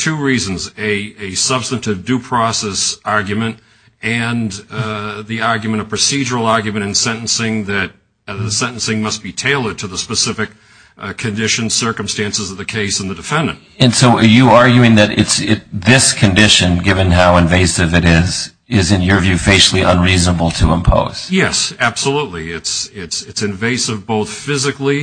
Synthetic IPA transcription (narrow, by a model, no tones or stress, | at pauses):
tʰʉɹiz̃n̩zɨɨsʌb̥stɨ̃ntɨvdʉpʰɹ̥ɔsɛsɑɹɡjɨmɨ̃nt | ɨ̃n | ðiɑɹɡjɨmə̃ɾ̃əpʰɹ̥ɨsid͡ʒə˞l̩ˠɑɹɡjɨmɨ̃ɾ̃ɨ̃nsɛ̃ɾ̃n̩sɪ̃ŋðɨɾ̚ | ðɨsɛ̃ñn̩sɪ̃ŋmʌs̚b̥itʰeɪlˠəd̚tʰɨðəspəsɪfɨk | kʰɨ̃ndɪʃɨ̃n̥sɜ˞kɨ̃m̩stæ̃nsɨzʌðɨkʰeɪsn̩ðɨdɨfɛ̃ndɨ̰̃nt̚ɨ̃nsoʊjɨɑɹɡjʉɪ̃ŋðɨɾɪ̰tsɪðɪskʰɨ̃ndɪʃɨ̃nɡɪvɨ̃nɦaʊɨ̃ɱveɪsɨvɨɾɪz | ɪzɨ̃njə˞vjʉfeɪʃl̩ˠiʔə̰̃nɹiznəbl̩ˠtʰəə̃mpʰo̰ʊz̥jɛsæb̥səlutˡliɪtsɪtsɨtsɨ̃ɱveɪsɨvboʊθfɪzɨkli